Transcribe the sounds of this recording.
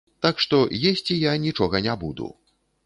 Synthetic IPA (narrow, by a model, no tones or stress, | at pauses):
t̪akʂt̪ɔjesʲt͡sʲijanʲit͡ʂɔɣɐnʲabud̪ṵ